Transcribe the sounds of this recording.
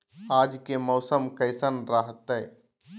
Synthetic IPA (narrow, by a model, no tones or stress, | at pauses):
aːd͡ʒkemɔːsəmkɐɪsənɾaɦət̪ɛj